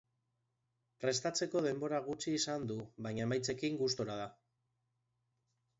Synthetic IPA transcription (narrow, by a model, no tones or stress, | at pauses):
pɾe̞st̪at͡se̞ko̞ð̞e̞mbo̞ɾaɣ̞ut͡ʃiːsand̪uβajɲaemajt͡se̞kiŋɡust̪o̞ɾað̞a